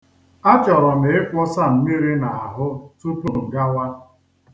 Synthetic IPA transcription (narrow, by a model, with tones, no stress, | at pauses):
a˦t͡ʃɔ˨ɾɔ˨ne˨ɪ˦kʷɔ˦sa˦˨m̩˨mi˦ɾi˦na˨a˨ɦʊ˦tu˦pu˦ɾ̩˨ɡa˦wa˦